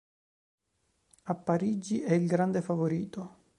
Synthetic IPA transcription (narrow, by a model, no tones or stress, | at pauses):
apːaɾid͡ʒiʔɛilɡɾand̪efavoɾiːt̪o